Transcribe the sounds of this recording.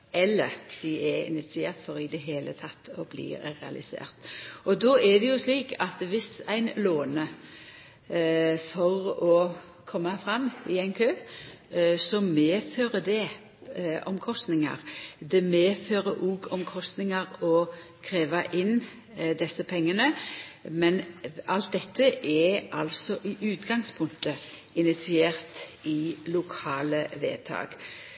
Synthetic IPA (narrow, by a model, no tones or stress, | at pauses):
ɛlːəɾd̪̥ɪɛɪ̰nɪt̪sɪeːʁt̪fɔɾɪd̪ɛɦeːlʔət̪ʰɑt̪ːɔblḭːʁɛ̰ɑ̰lʔɪsḛːʁt̪ʔɔd̪ɔːʔɛd̪ɛjʊsliːkʰɑt̪ʋɪsæɪnloːnə | fɔʁɔ | kʰɔmːɑfɾɑmːɪæɪnkʰøː | sɔmeːføːʁəd̪ɛ | ʔɔmkʰɔst̪nɪŋɑ̰ʁd̪ɛmeːføːɾəʔuːɡɔmkʰɔst̪nɪŋɑʁɔ | kʰʁeːʋɑʔɪn | d̪ɛsːəpʰɛŋːənəmɛnɑlt̪̚d̪ɛt̪ʰːəʔɛʔɑ̰lsɔʔɪʔʉːt̪ɡɑŋspʰʊŋkt̪ə | ɪnɪt̪sɪeːʁt̪ɪlʊkʰɑːləʋḛːt̪ʰɑ̰ːɡ̥